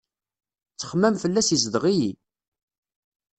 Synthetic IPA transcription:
t͡sːə̥χmæmfəlːæsizðʁiji

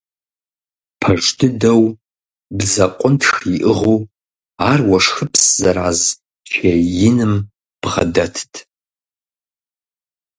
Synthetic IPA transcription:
pʰɐʐtʰɨdɐw | bzɐqʷʼʊntxiʔɨʁow | aːrwɐʂxɨpʰszɐɾaːz | t͡ʃʰejɪnɨm | b̥ʁɐ̰dɐtʰtʰ

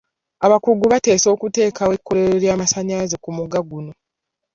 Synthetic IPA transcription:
aβakuɡuβate̞ːso̞ːkute̞ːkawe̞kːo̞ɾeɾeɾjaːmasaɲazekumuɡaɡuno̞

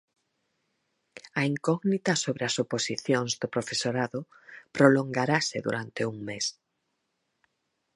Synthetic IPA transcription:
ɐiŋkɔɣnit̪ɐsoβɾeɐsoposiθjoŋzd̪opɾofesoɾaðʊ | pɾoloŋɡaɾasɪ̰ðṵɾant̪euŋmes

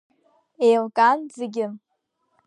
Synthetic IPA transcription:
ejlkʼand͡zɪɡʲɪm

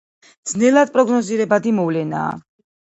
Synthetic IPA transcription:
d̪znɛlˠad̪̚pʼɾɔɡnɔziɾɛbad̪imɔvlɛna̰ː

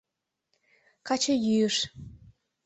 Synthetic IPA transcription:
kɑt͡ɕɤjyəʃ

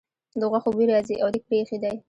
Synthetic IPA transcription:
d̪əɣwaxobiɾɑziʔawd̪ik̚pexed̪aj

